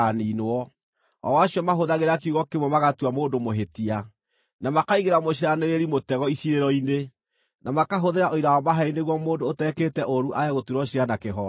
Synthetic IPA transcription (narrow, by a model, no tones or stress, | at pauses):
aniːnoɔ | ɔ̰waɕiɔmaɦoðaɣeɾakuɣɔkemwɔmaɣatuamoːndomoɦetia | namakaiɣeɾamoɕiɾaneɾeɾimotɛɣɔisiɾeɾɔine | namakaɦoðeɾaʔoiɾaɔmaɦaineɣwɔmoːndoːtɛketɛʔoɾuʔajaɣotuɾɔɕianakeɦɔ